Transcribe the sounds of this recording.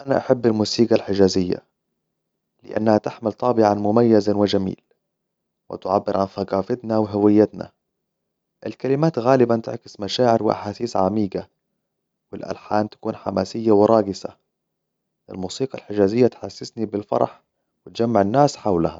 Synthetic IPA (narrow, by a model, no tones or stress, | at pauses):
ʔanaʔaħabːalmuːsiːɡalħɪd͡ʒaːzɪjːa̰ | lɪ̰ʔa̰nːahat̪aħmɪlt̪ˤɑːbɪʕanmʊmajːazawɪd͡ʒamḭːl | wɪ̰t̪ʕabːɪɾʕanθaɡɑːfɪt̪nawɪɦawɪjːat̪na̰ | ʔɪlkalɪmaːt̪ɣaːlɪbant̪ɪʕkɪ̥smaʃaːʕɪɾwɪʔa̰ħaːsiːsʕamiːɡa | wɪlʔa̰lħaːmt̪ḁkuːnħamaːsɪjːawɪɾˤɑːɡɪsa̰ | ʔɪ̰lmuːsiːɡalħɪd͡ʒaːzɪjːat̪ħasːɪsnibɪlfɑ̰ɾˤɑ̰ħ | wɪt̪d͡ʒamːaʕɪnːaːsħawlaha